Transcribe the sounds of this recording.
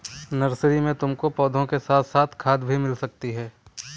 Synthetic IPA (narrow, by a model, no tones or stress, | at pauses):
nɐɾsɾimẽt̪ʊmkopɔːd̪ʱõkesaːt̪ʰsaːt̪ʰkʰaːd̪bʱimɪlsɐk̚t̪iɦɛː